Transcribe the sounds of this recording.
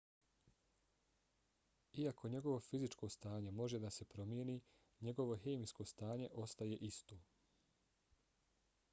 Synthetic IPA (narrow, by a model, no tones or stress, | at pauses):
iako̞ɲe̞ɡo̞ʋofizit͡ʃkoːst̪aːɲe̞mo̞ʒe̞d̪ase̞pɾo̞mjeniː | ɲe̞ɡo̞ʋo̞ɦeːmisko̞st̪aːɲe̞ʔo̞st̪aje̞ʔist̪oː